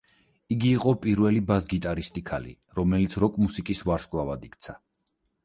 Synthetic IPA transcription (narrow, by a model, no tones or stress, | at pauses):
iɡiːqʼɔpʼiɾvɛlibazɡit̪ʼaɾist̪ʼikʰa̰lḭ | ɾɔmɛlit̪sʰɾɔkʼmusikʼisvaɾskʼlˠavad̪ikʰʼt̪sʰa